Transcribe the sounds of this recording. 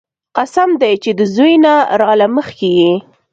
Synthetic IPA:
qasamd̪ajt͡ʃed̪əzujnaɾɑlaməxkeɡi

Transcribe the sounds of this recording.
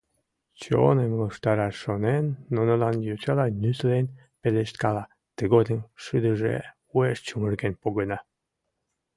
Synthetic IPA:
t͡ɕo̰nemloʃt̪ɑɾɑʃːonenːonəlɑnjut͡ɕɑlɑnʲyt̪len | peleʃt̪kɑlɑ | t̪əɣod̪əmʃɨd̪əʒḛ | ueʃt͡ɕumərɡenpoɣənɑ

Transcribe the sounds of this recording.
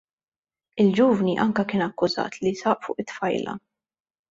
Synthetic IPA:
ɪld͡ʒuːvniʔɐŋkɐkɪːnɐkːʊzɐ̰ːt̪lisɐːʔfʊ̰ːʔɪt̪ːfɐjlɐ̰

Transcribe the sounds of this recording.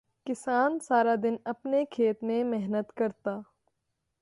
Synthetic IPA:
kɪsaːnsaːɾad̪ɪnɐpnekʰeːt̪mẽmɛɦnət̪kɐɾt̪aː

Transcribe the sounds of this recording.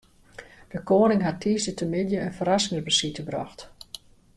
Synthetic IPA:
d̥əkoːənɪŋɦatʰːiːsətʰəmɪdjəənfərasɪŋərbəsitəbrɔ̰xt

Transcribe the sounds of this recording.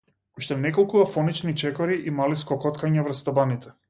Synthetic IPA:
uʃt̪ɛnɛkɔlˠkuafɔnit͡ʃnit͡ʃɛkɔɾiʔimaliskɔkɔt̪kaɲavr̩st̪abanit̪ɛ

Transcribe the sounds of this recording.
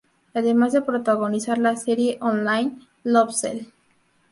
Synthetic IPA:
ɛd̪eɾmazepɾot̪aɡonisaɾlaseɾieʔɔnlajn | lɔbsḛl

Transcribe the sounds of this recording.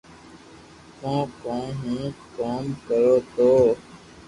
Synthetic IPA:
kõːkõːɦũːkoːmkəɾoːt̪oː

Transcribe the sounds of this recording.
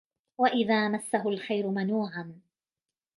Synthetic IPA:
waʔɪðaːmasːaɦʊalxajɾʊmanuːʕan

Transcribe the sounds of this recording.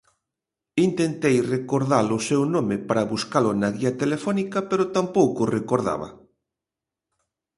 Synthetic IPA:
int̪ent̪ejrekoɾðalʊsewnomepaɾɐβuskalʊnaɣiɐt̪elefɔnikɐpeɾʊt̪ampowkʊrekoɾða̰βɐ̰

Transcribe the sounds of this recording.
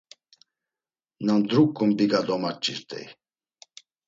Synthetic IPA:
namd̪ɾukʼːumbiɡad̪ɔmat͡ʃʼḭɾt̪ʼɛ̰j

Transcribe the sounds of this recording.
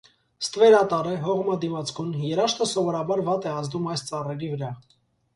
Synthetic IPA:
st̪vɛɾɑt̪ɑɾɛɦɔʁmɑd̪imɑt͡sʰkʰunjɛɾɑʃt̪ʰəsɔvɔɾɑbɑɾvɑt̪ɛɑzd̪umɑjst͡sɑrɛɾivəɾɑ

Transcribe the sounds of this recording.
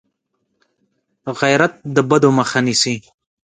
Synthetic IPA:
ɣajɾat̪̚d̪əbad̪oməxanisi

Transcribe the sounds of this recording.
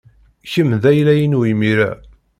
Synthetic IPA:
çəmðæjlæjənuimiɾæ̰

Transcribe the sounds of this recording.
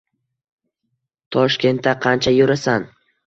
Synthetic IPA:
t̪ʰɒʃkʲe̞nt̪ːaqʰɑnt͡ʃʰajɵɾasan

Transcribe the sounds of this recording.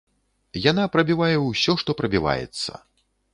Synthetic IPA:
janapɾɐbʲivajɛwsʲɔʂt̪ɔpɾɐbʲiva̰jɛ̰t̪sːɐ̰

